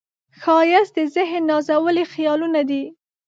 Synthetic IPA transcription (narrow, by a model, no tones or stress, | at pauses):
xɑjɪsd̪əzɪɦnːɑzawəlixjɑlunad̪i